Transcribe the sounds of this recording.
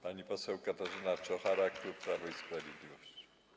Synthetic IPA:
paɲipɔsɛwkat̪aʐɪnat͡ʃɔxaɾɛak̚t̪uɾpɾavɔjspɾavʲɛd̪lʲivɔsci̥

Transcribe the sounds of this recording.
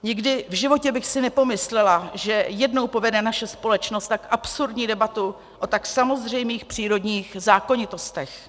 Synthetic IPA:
ɲɪɡdɪvʒɪvo̞cɛbɪxsɪnɛpo̞mɪslɛlaʒɛjɛdno̞wpo̞vɛdɛnaʃɛspo̞lɛt͡ʃnost̪akʔapsuɾdɲiːdɛbat̪u | ʔo̞t̪aksamo̞zr̝ɛjmiːxpr̥iːɾo̞dɲiːxzaːko̞ɲɪt̪o̞st̪ɛx

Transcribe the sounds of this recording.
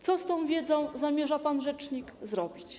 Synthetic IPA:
t̪ɔst̪ɔ̃w̃vʲjɛd̪zɔ̃w̃zamʲjɛʐapanʐɛt͡ʂɲikzɾɔbʲit͡ɕ

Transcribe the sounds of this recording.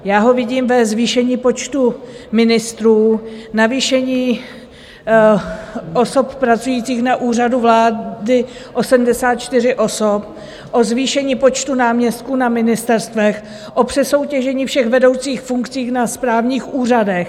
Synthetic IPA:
jaːɦo̞vɪɟiːmvɛzviːʃɛɲiːpo̞t͡ʃt̪umɪnɪst̪ɾuːnaviːʃɛɲiː | ʔoso̞ppɾat͡sujiːt͡siːxnaʔuːr̝aduvlaːdɪ | ʔo̞sɛdm̩dɛsaːt̪̚t͡ʃt̪ɪrɪʔo̞sop | ʔo̞zviːʃɛɲiːpo̞t͡ʃt̪unaːmɲɛst̪̚kunamɪnɪst̪ɛɾst̪vɛx | ʔo̞pr̝̥ɛso̞wcɛʒɛɲiːfʃɛɣvɛdo̞wt͡siːxfuŋkt͡siːxnaspɾaːvɲiːxʔuːradɛx

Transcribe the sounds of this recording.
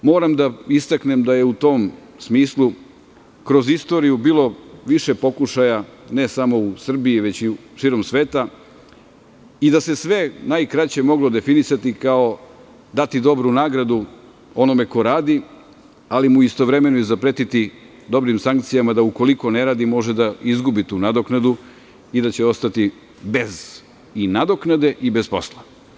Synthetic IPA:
mo̞ːɾamd̪aist̪akne̞md̪aje̞ut̪o̞m | smiːslˠu | kɾo̞zist̪o̞ːɾijubiːlˠo̞ʋiʃe̞po̞kuʃajane̞samo̞usr̩biiʋet͡ɕi | ʃiːɾo̞msʋe̞ːt̪a | id̪ase̞sʋe̞najkɾat͡ɕe̞mo̞ɡlˠo̞d̪e̞finisat̪ikao̞ | d̪at̪id̪o̞bɾunaːɡɾad̪u | o̞no̞me̞ko̞ɾaːd̪i | alimuist̪o̞ʋɾe̞me̞noizapɾet̪it̪i | d̪o̞bɾimsaŋk̚t̪sijamad̪auko̞liko̞ne̞ɾaːd̪imo̞ʒed̪aizɡubit̪uːnad̪oknad̪u | id̪at͡ɕeo̞st̪at̪i | be̞z | inad̪o̞knad̪e̞ʔibe̞spo̞slˠa

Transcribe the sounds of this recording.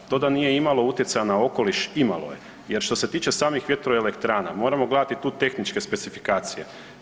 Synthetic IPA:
t̪o̞d̪anije̞imalo̞ut̪jesajanao̞ko̞liʃimalo̞̰je̞̰ | je̞ɾʃt̪o̞set̪iːt͡ʃe̞saːmixʋjet̪ɾoele̞kt̪ɾaːna̰mo̞ːɾamo̞ɡled̪at̪it̪uːt̪e̞xnit͡ʃke̞spe̞t̪sifikaːt̪sije̞̰

